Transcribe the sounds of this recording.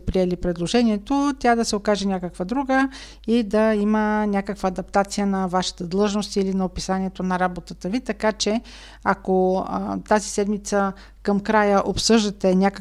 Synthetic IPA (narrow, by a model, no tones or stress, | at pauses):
pɾiɛlipɾɛd̪lˠoʒɛnʲiɛt̪ot̪ʲad̪ɐsɛokaʒɛnʲakəkvəd̪ɾuɡə | id̪ɐimənʲakəkvəːd̪ɐp̚t̪at̪sijənɐvaʃɐ̥t̪əd̪lˠɤʒnost̪ilinɐopisanʲiɛt̪onɐɾabot̪ət̪əvit̪ɐkat͡ʃɛ | akot̪azisɛd̪mit̪sə | kɐmkɾajəʔopsɤʒd̪ət̪ɛnʲakə